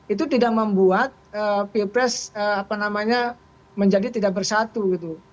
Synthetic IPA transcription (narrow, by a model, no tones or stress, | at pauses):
it̪ut̪idak̚məmbuat̪̚əːpipɾɛsəapanamaɲa | məɲd͡ʒadit̪idak̚bərsat̪uɡit̪u